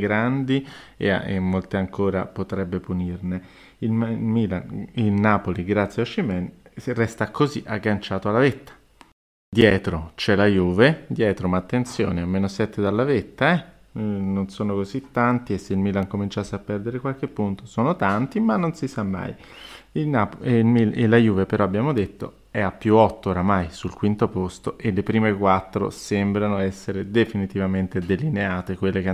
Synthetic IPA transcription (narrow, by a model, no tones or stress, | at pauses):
ɡɾand̪iḛa̰ḛmːolt̪eaŋkʰoːɾa̰pot̪ɾɛbːepunirne | ilmmiːla̰nilnaːpoliɡɾat̪sːjeaʃːimɛnrɛst̪akozḭʔaɡːant͡ʃaːt̪oalːavet̪ːḁ | d̪jɛːt̪ɾot͡ʃɛlajuːved̪jɛːt̪ɾomaːt̪ːent̪sjo̰ːneamːeːnosɛt̪ːed̪alːavet̪ːaɛ | nonsoːnokozit̪ːant̪iesːeilmilaŋkomint͡ʃaseapːɛrd̪eɾekwalk̟epːunt̪osoːnot̪ant̪imanːonsisamːa̰j | ilnaplmilelajuːvepeɾɔabːjaːmod̪et̪ːo̰ | ɛapːjuɔt̪ːooɾamajsulkwint̪opost̪oʔelːepɾiːmekwat̪ːɾo̰sembɾanoɛsːeɾed̪efinit̪ivament̪ed̪elineaːt̪ekwelːek